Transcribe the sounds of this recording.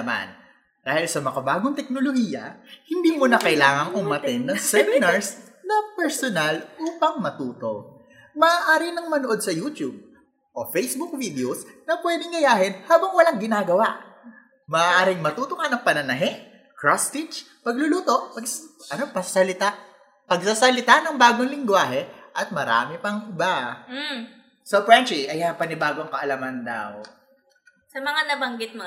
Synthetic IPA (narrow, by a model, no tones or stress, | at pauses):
ɐma̰n | d̪̥aːhɪlsɐmɐkɐbaːɡoŋt̪ɛk̚nolohiːjɐ̰hɪnd̪iːmʊnɐkɐʔɪlaːŋɐŋʊmːɐt̪ɪnːɐŋsɛmɪnɐɹs | nɐpɛɹsonalʔuːpɐŋmɐt̪uːt̪o̞ | mɐːʔaːɾɪnɐŋmɐnoʔo̞d̪̚sɐjuːt̪jub̚ | ʔo̞fejsbuk̚vid̪ɛosnɐpwɛːd̪ɪŋɡɐjaːɦɪnhaːbɐŋwɐlaŋɡɪnaːɡɐwaʔ | mɐʔːʔaːɾɪŋmɐt̪uːt̪oŋanɐŋpɐnɐnɐɦɛ | kɹost̪it͡ʃ | pɐɡ̚lʊluːt̪o̞ʔpɐɡʔɐnopɐsasɐlɪt̪a | pɐɡsasɐlɪt̪anɐŋbaːɡoŋlɪŋɡwaːɦɛʔɐt̪̚mɐɾa̰ːmɪpɐŋʔɪba | sopɹant͡ʃiʔɐjɐpɐnɪbaːɡoŋkɐʔɐlamɐnd̪a̰w | sɐmɐŋanɐbɐŋɡɪt̪̚mɐ